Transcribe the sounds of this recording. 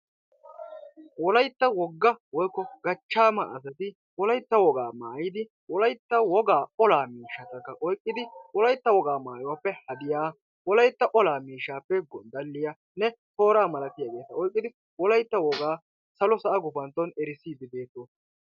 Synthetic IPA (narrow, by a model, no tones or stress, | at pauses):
wɔlɐjt̪ːɐwɔɡːɐwɔjkːɔɡ̥ɐt͡ʃːaːma̰ɐs̬ɐt̪ɪ | wɔlɐjt̪ːɐwɔɡaːmaːjɪd̪ɪ | wɔlɐjt̪ːɐwɔɡaːɔlaːmiːʃːɐt̪ːɐkːɐʔɔjkʼːɪd̪ɪwɔlɐjt̪ːɐwɔɡaːmaːjɔwɐpːɛhɐd̪ɪjaː | wɔlɐjt̪ːɐʔɔlaːmiːʃːaːpːɛɡɔnd̪ɐlːɪja | nɛt̪o̞ːɾaːmɐlɐt̪ɪjaːɡe̞ːt̪ːɐʔɔjkʼːɪd̪ɪ | wɔlɐjt̪ːɐwɔɡaː | sɐlɔsɐʔɐɡʊfɐnt̪ːɔnɛɾɪsiːd̪ɪd̪eːt̪ːo